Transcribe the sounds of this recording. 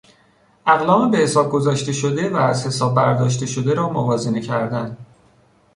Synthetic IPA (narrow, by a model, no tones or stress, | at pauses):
ʔæɣlɒːmebehesɒːb̚ɡo̞zɒːʃt̪e̞ʃod̪e̞væːzhe̞sɒːb̚ːæɾd̪ɒːʃt̪e̞ʃo̞d̪e̞ɾɒːmovɒːzenecʰæɾd̪ænd̪